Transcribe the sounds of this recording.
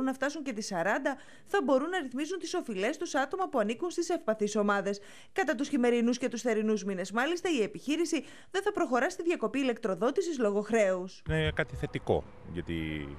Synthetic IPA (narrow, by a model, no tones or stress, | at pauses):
unːɐft̪ɐsuɲce̞t̪isɐɾɐnd̪ɐ | θɐbo̞ɾunːɐɾiθmizunt̪i̥so̞file̞st̪usɐt̪o̞mɐpuɐnikunst̪isefpɐθiso̞mɐðe̞s | kɐt̪ɐt̪usçime̞ɾinusce̞t̪usθe̞ɾinuzmine̞zmɐlist̪ɐie̞piçiɾisi | ðe̞nθɐpɾo̞xo̞ɾɐsit̪iðʝɐko̞piːle̞k̚t̪ɾo̞ðo̞t̪isizlo̞ɣo̞xɾe̞usnekɐt̪iθe̞t̪iko̞̰ | ʝɐt̪ḭ